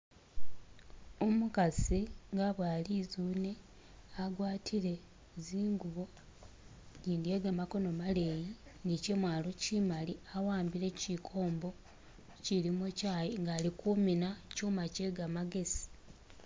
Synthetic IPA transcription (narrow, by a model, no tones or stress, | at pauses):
omukasiŋɡaβwaːlizune̞ | aɡwaːtʰiɾe̞ | ziːŋɡuβo̞ | ɟiːndje̞ɡamako̞no̞male̞jinice̞mwaːlocimaliawaːmbiɾe̞cikʰo̞ːmbo̞ | ciɾimucajiŋɡaːlikuminacuːmace̞ɡamaɡe̞si̥